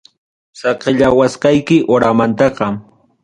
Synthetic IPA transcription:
sɑqɪʎawasqɑjkɪʔoɾamant̪ɑqɑ

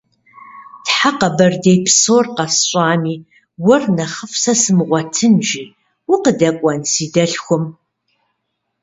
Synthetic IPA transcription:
tħaqɐbɐrdejpʰsoːrqɐsɕʼɑːmiː | wʊrnɐχəfsɐsɨmʁʷɔtʰɨnʒiː | wʊqədɐkʷʼɐnsiːdɐɬxʷʊm

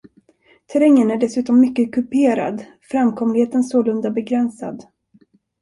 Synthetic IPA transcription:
t̪ʰɛɾɛŋːənæɖɛsʉ̟ːt̪ɔmːʏkːəkʰɵpeːɾa̰d̪ | fɾamkʰɔmlɪheːt̪ənsoːlɵnd̪abɛɡɾɛnsa̰d̪

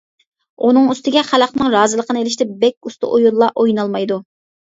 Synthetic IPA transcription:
unɨŋyst̪ɪɡʲɛχælɑqnɨŋɾɑːzɨlˠəqʰənɨelɪʃt̪ɛbɛkʲust̪ɨ̰ʔojulˠːɑʔojnɑlˠmɑjd̪u

